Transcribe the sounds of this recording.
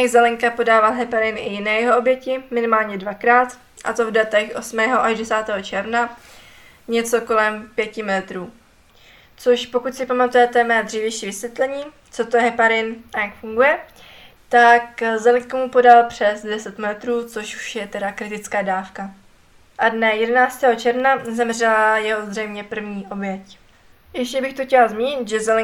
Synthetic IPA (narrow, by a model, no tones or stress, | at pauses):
ɛzɛlɛŋkapo̞daːvalɦɛpaɾɪnʔɪjɪnɛːjɛɦoobjɛcɪmɪnɪmaːlɲɛdvakɾaːt̪ | ʔa̰t̪ovdat̪ɛxʔo̞smɛːɦoʔaʒdɛsaːt̪ɛːɦo̞t͡ʃɛɾvna | ɲɛt͡so̞ko̞lɛmpjɛcɪmɪlɛt̪ɾuː | t͡soʃpo̞kut̪sɪpamat̪ujɛt̪ɛmɛːd̪r̝iːvjɛjʃiːvɪsvjɛt̪lɛɲiː | t͡so̞t̪ojɛɦɛpaɾɪnʔajakfuŋɡujɛ | t̪akzɛlɪɲkamupo̞dalpr̝̥ɛsdɛsɛt̪mlɛt̪ɾuːt͡so̞ʃu̥ʃjɛt̪ɛdakɾɪt̪ɪt͡skaːdaːfka | ʔadnɛjɛdɛnaːt͡st̪ɛːɦo̞t͡ʃɛɾvnazɛmr̝ɛlajɛɦozr̝ɛjmɲɛpr̩vɲiːʔo̞bjɛc | jɛʃcɛbɪxt̪oxcɛlazmiːɲɪt̪ʒɛzɛlɪ